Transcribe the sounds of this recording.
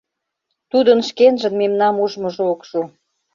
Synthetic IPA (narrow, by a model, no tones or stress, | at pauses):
t̪ud̪ənʃkenʒə̆nmemnɑmuʒmɤ̆ʒookʃu